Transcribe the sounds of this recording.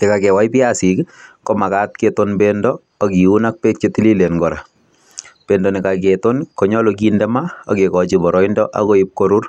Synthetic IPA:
ekakɛwaipiasikkɔmakat̚ketonbendɔ | akiunak̚pet͡ʃetililenɡɔɾa | pendɔnikaketonkɔɲɔlokindɛmaa̰kekɔt͡ʃibɔɾɔindɔʔa̰koip̚koɾur

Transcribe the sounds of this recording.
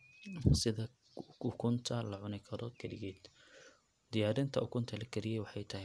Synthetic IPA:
sɪðɐ | ʊkʰʊnt̪ʰɐlɐʕʊnɪkʰɐɾɔkʰɐɾɪɣɛːd̪ | d̪̥ɪjaːɾɪnt̪ʰɐʊkʰʊnt̪ʰɐlɐɡʰɛɾɪjɛjwɑħɑjt̪ʰɐɦɪ

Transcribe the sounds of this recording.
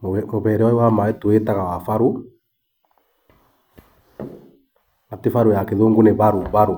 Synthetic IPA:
mmoβɛɾɛaiwamaɛtoetaɣawafaɾu | atefaɾojakeðoːŋɡoneβaɾoβaɾo

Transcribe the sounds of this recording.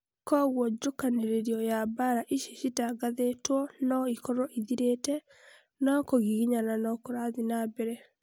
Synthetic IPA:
kɔɣwɔd͡ʒokaneɾeɾiɔjabaɾaʔiʃeʃitaɡaðetwɔnɔikɔɾɔʔiðiɾetɛ | nɔkoɣiɣiɲananɔkoɾaðinabɛɾɛ

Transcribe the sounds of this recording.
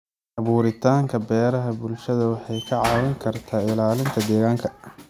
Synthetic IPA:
ʕʔɑβuːɾɪt̪ʰaːŋkʰɐbɛːɾɐɦɐbʊlʃɐðɐwɑħɑjkʰɐʕɑːwɪŋkʰɐrt̪ʰaːɪlaːlɪnt̪ʰɐd̪ɛːɣaːŋkʰɐ

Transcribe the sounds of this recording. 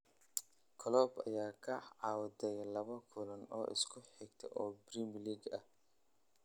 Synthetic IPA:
kʰɔlɔːbɐ̰jaːkʰɐʕɑːwdɛjlɐβɐkʰʊlɐnɔ̰ːʔɪ̰skʰʊħɪɡt̪ʰɛ̰ʔɔːbriːmliːɡɐh

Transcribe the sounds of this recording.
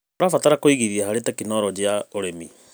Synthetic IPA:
oɾafataɾakoiɣiðiahaɾetakinɔɾɔd͡ʑeaoɾemi

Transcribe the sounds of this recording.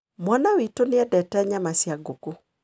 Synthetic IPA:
mwanawitoneɛdɛtɛɲamasjaɡoko

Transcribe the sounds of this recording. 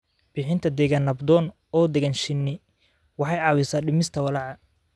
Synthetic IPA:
b̥ɪħɪnt̪ʰɐd̪ɛɣanɐbd̪ɔːn | ɔːd̪ɛɣanʃɪnːɪ | wɑħɑjʕɑːwɪsaːɖɪmɪst̪ʰɐwɐlɑʕɑ

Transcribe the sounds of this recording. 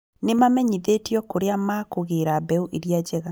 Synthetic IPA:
nemamɛɲiðetjɔkoɾeamakoɣeɾabɛuʔeɾjad͡ʑɛɣa

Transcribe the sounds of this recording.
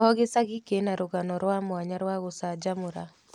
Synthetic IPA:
ɔɣesaɣikenaɾoɣanɔɾwamwaɲaɾwaɣosad͡ʒamʊɾa

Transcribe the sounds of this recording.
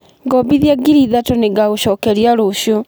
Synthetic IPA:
ɡɔbiðjaɡiɾiðatɔneɡaoɕɔːkɛɾiaɾoɕjo

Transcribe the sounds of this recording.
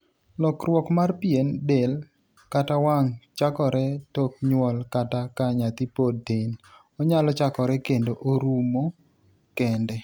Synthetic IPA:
lɔkrwɔkmarpjendel | katawaŋt͡ʃakɔɾɛtɔk̚ɲwɔlkatakaɲat̪ipodːen | ɔɲalɔt͡ʃakɔɾɛkendoʔoɾumo | kɛndɛ

